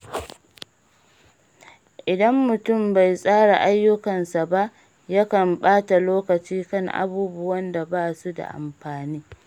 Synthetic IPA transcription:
ʔɪ˨dɐ˦mːʊ˨tʊ˦˨mba˨jsʼaː˦ɽa˨ʔa˦jːʊ˦kɐ˨nsa˨ba˦ʔ | ja˦kɐ˨mɓaː˦ta˨loː˦kɐ˨t͡ʃiː˦kɐ˦˨ŋʔa̰˨buː˦bʊ˦wɐ˦nda˨baː˦su˦da̰˨ʔa̰˨mɸaː˨niː˦

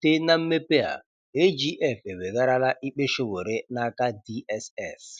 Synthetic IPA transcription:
te˦na˦m̩˦me˦pe˦a̰˨ | e˦d͡ʒi˦ʔɛ˦˨fe˨be˨ɡa˦ɾa˦la˦ʔi˦k͡pe˦ʃo˦wo˨ɾe˦na˦ka˦di˦ɛ˦sɛ̰˦˨s

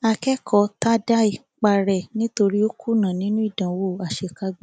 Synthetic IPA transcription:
a˧kɛ˦kʰɔ˧˦ta˦da˦i˨ | k͡pa˧˨ɾɛ˨nĩ˦to˧ɾi˦o˦kʰu˦nã˨nĩ˨˦nũ˦i˦˨dã˨wo˦˨a˨ʃe˨ka˧˦ɡ͡b

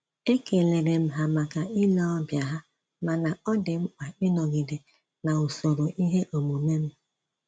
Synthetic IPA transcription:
e˦ke˨le˨ɾe˨m̩˦ɦa˨ma˨ka˨i˦lɔ˦ɔ˦bja˨ɦa˦ | ma˨na˨ɔ˦dɪ˨ŋ͡m̩˦k͡pa˨ɪ˦nɔ˨ɡi˨de˨ | na˨o˨so˨ɾo˨ʔi˦ɦe˦ʔo˨mu˨me˦m̩˦

